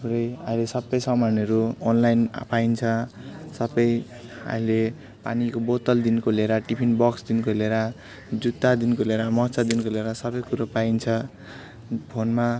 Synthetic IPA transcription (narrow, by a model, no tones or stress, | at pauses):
puɾʌja̰ilesʌbʌjsʌmʌnʌɾuonlajnpaint͡sʰʌsʌbʌj | a̰ile | pa̰nikobot̪ʌld̪inkoleɾaʈipʰinbʌksd̪inkoleɾa | d͡zut̪ːad̪inkoleɾamʌɦt͡sad̪inkoleɾasʌbʌjkuɾopaint͡sʰʌ | pʰonma